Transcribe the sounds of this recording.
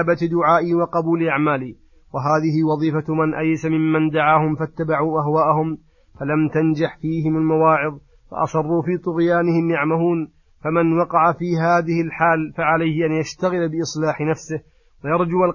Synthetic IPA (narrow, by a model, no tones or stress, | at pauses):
bat̪d̪ʊʕaːʔiːwɑqɑbuːlʔaʕmaːliː | waɦaːðɪɦɪwɑðˤiːfamanʔajsamɪmːand̪aʕaːhʊmfat̪ːabaʕuːʔaɦwaːʔahʊm | falamt̪and͡ʒaħfiːɦɪmalmawaːʕɪðˤ | fɑ̰ʔɑ̰sˤɑrˤːuːfiːt̪ˤʊɣjaːnɪhɪmjaʕmahuːn | famanwɑqɑʕafiːɦaːðɪhɪlħaːlfaʕalajhɪʔanjaʃt̪aɣɪlbɪʔɨsˤlaːħnafsɪh | wajɑɾˤd͡ʒʊwal